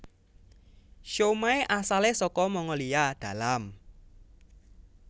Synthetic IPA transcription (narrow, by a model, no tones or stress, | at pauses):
ʃomaeʔasalesɔkɔmɔŋɔliad̪̥a̤lam